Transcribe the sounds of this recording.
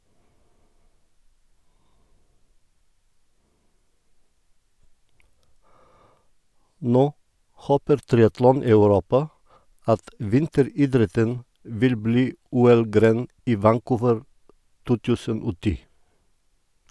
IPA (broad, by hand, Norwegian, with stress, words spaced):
ˈnoː ˈhoːpəɾ ˈtɾɪɑtlɔn ɑʉˈɾuːpɑ ˈɑt ˈʋɪntəɾiːˌdɾɛtən ˈʋɪl ˈbliː ˈuːɛl ˈɡɾeːn ˈiː ʋæŋˈkuːʋəɹ ˈtuː ˈtʉːsən ˈoː ˈtiː